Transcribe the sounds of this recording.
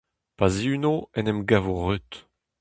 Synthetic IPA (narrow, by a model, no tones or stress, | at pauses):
paziynoɛnɛmɡavoʁyt̪